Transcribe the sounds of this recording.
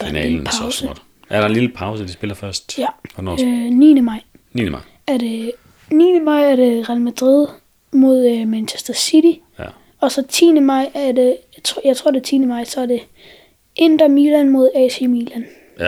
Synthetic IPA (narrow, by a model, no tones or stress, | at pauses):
d̥inɛ̰pʰɑ̈ʊsəd̥ | æɐɾ̥ɑ̈enliləpʰɑ̈ʊsəd̥isb̥e̝lɐfɶɐsd̥jæn̰nḭːnəmɑ̈ɪ̰ | ninɪ | æɐde | nḭːnəmɑ̈ɪ̰æɐɾ̥e̝ʁælmæd̥ʁið̰ˠ | mo̝ð̞ˠømænɕʰesd̥ɐsiɾ̥i | ɒ̽sɒ̽t͡sʰḭːnəmɑ̈ɪ̰æɐde | t͡sʰːjɑ̈ɪt͡sʰʁo̝ɐd̥e̝t͡sʰḭːnəmɑ̈ɪ̰sɒ̽æɐd̥e̝ | ʔend̥ɐmilænmo̝ð̞ˠɛsemilæn